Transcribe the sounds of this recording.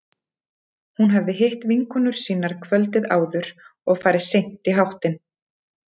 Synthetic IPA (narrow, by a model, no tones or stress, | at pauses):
hunɦavðɪɦeht̪viŋkʏnʏɾ̥siːnaɾ̥kʰvœlt̪ɪða̰ːwðʏɾ̥ɔɣfaːjɾɪsejn̥t̪iɦawht̪ɪn